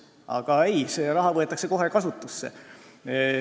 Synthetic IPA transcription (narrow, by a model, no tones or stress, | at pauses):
ʔɑ̰ɡ̥ɑe̞jseɾɑɦɑvɤet̪ːˑɑkse̞ko̞ɦekɑsut̪ːˑusːḛ